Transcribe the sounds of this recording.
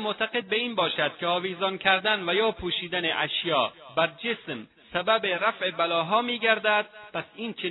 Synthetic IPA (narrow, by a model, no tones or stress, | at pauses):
moʔt̪ʰæɡe̞d̪̚beiːnbɒːʃæd̪̥kʲʰeɒːviːzɒnkʰæɾd̪ænvæjɒːpʰuːʃiːd̪æneʔæʃjɒːbæɾd͡ʒesm | sæbæbeɾæfʔebælɒːɦɒːmiːɡæɾd̪æd̪̥̚pʰæsiːnt͡ʃʰe